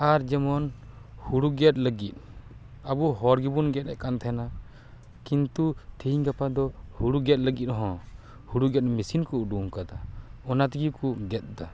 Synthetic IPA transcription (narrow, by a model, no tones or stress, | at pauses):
aɾd͡ʒɛmɔnhuɽuɡɛt̪̚ləɡit̪̚ˀ | abuɦɔɾɡibunɡɛt̪ɛʔkant̪ʰɛna | kint̪ut̪ʰiɲɡapad̪ɔhuɽuɡɛt̪̚ləɡit̪̚ɦɔ̃ | huɽuɡɛt̪̚misinkuuɖuŋkad̪aɔnat̪iɡikuɡɛt̪̚d̪a